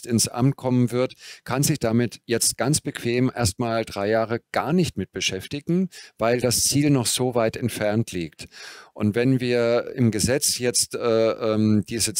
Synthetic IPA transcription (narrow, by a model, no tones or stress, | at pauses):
tɪnsʔa̰mt̚kʰɔmənvɪɐtkʰanzɪçd̥amɪtjɛt͡st̚ɡ̥ant͡sb̥əkʰv̥eːmʔḛːɐstmaːldʁaɪjaːʁəɡ̥aːɐnɪçtmɪt̚b̥əʃɛftɪɡŋ̩vaɪldast͡siːlnɔχz̥oːvaɪtɛntfɛɐntʰliːktʔʊntv̥ɛnviːɐɪmɡəzɛt͡sjɛt͡stʔɛːʔɛːmd̥iːzə